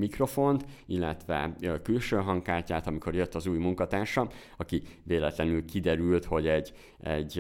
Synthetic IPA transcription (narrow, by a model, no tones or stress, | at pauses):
mikro̞fo̞nt̪ilːɛt̪ʋɛ̰kylʃøːɦɒŋkaːrcaːt̪ɒmiko̞rɾjøt̪ːɒzuːjmuŋkɒt̪aːrʃɒ | ɒkiveːlɛt̪lɛnylkid̪ɛɾylt̪ho̞ɟɛɟ | ɛ̰ɟː